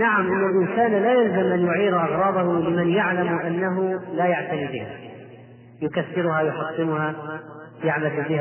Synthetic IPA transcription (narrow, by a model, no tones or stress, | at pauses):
naʕamʔɪnːalʔɪnsaːnlaːjalzamʔanjʊʕiːɾʔɑɣɾˤɑːb̪ˤɑhʊlɪmanjaʕlamʔanːaɦʊlaːjaʕt̪aniːbɪha | jʊkaθːɪɾʊhajʊħɑsˤːɪmʊha | jaʕbad̪bɪha